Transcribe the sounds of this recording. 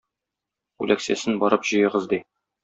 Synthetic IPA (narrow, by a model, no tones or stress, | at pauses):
ʉ̰læksæsɘnbɒɾɤpʑ̥ɤ̆jɤ̆ʁɤzd̪i